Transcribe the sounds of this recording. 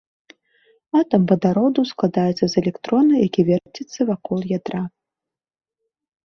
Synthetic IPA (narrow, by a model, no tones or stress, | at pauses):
at̪ɐmbɐd̪aɾɔd̪usklˠad̪ajɛt̪sːɐzɛlʲɛkt̪ɾɔnɨjakʲivʲɛrtʲit̪sːɐvakɔlˠjad̪ɾa